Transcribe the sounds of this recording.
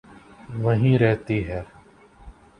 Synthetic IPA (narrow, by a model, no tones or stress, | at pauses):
ʋɐɦĩɾɛɦt̪iɦɛː